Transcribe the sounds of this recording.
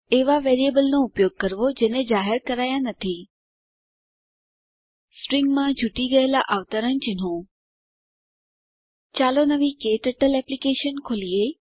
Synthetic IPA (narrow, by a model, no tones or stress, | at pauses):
eʋaʋeːɾiebəlnoʊpjoːɡ̚kəɾʋod͡ʒeːned͡ʒaːɦɪɾkəɾaːjãnət̪ʰi | sʈɾɪŋɡmãd͡ʒʱuʈiɡəelaʔaʋt̪əɾənt͡ʃɪn̤õ | t͡ʃaːlonəʋikeʈəʈəlɛplikeːʃənkʰoːlije